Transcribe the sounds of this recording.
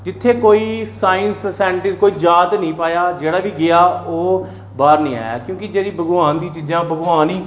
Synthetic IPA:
d͡ʒɪt̪ʰːeːkoːiːsaːɪnsːɛːɳʈɪskoːiːd͡ʒaːt̪nəĩːpaːjaːd͡ʒeːɽaːʋiːɡɪjaːoː | baːɾnəĩːa̰ːja̰ːkjõːkɪd͡ʒeːɽiːbəɡʋaːnd̪iːt͡ʃiːd͡ʒãːbəɡʋaːniː

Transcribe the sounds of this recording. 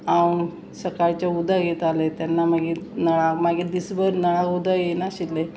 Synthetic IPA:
a | səkaɾt͡ɕjaud̪ʱaɡʱet̪alet̪janːamaɡinəɭakmaɡiːd̪isbəɾnəɭ̃ãkud̪ajenaɕile

